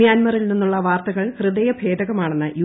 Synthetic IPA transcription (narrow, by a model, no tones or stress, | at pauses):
jaːnmɐrilninːuɭːɐʋaːrt̪ɐɣɐɭhrɨd̪ɐjɐbʱe̞ːd̪ɐɣɐmaːɳe̞nːɨʔju